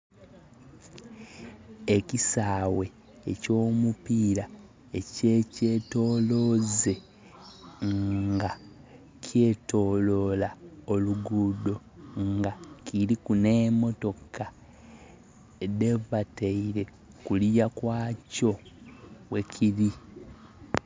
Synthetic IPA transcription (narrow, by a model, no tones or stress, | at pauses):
e̞kisaːwe̞ | eco̞ːmupiːɾa | eceːce̞to̞ːlo̞ːze̞ | ŋŋɡa | cʰje̞to̞ːlo̞lao̞luɡudo̞ | ŋɡaciɾikune̞ːmo̞to̞ka | devateiɾe̞ | kulijakwaːco̞ | we̞cʰiɾi